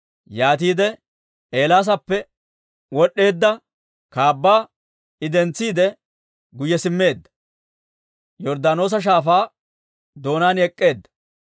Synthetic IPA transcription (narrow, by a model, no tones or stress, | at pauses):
jaːt̪iːd̪ɛ | eːlaːs̬ɐpːɛ | wɔɗːe̞ːd̪ːɐ | kaːbːaː | ɪd̪ɛnt͡sːiːd̪ɛ | ɡʊjɛsɪmːe̞ːd̪ːɐ̥ | jɔɾd̪ano̞ːs̬ɐʃ̬aːfaː | d̪o̞ːnaːnɛkʼːe̞ːd̪ːɐ̥